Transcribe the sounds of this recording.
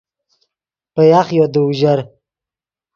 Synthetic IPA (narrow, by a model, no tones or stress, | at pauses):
pəjaχjod̪əuʒaɾ